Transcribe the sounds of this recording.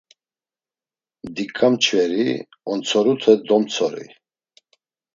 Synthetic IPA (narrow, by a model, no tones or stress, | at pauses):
d̪ikʼamt͡ʃʰvɛɾi | ɔnt͡sʰɔɾut̪ʰɛd̪ɔmt͡sʰɔɾḭ